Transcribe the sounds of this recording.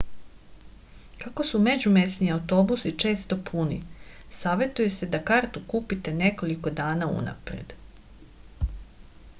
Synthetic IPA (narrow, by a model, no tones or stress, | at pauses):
kako̞sume̞d͡ʑumesniawt̪o̞busit͡ʃe̞ːst̪o̞pʰunḭsaːʋe̞t̪uje̞se̞d̪akaɾt̪ukuːpit̪e̞ne̞ko̞liko̞d̪aːnaṵna̰pɾḛd̪̥